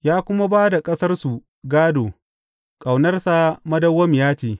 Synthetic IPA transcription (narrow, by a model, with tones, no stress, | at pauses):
jaː˦kʷʊ˦ma˦baː˦da˨kʼɐ˦sɐ˦rsu˨ | ɡaː˦doː˨ | kʼa˨wnɐ˦rsa˨mɐ˦dɐ˦wːɐ˦m˨jaː˦t͡ʃeː˦˨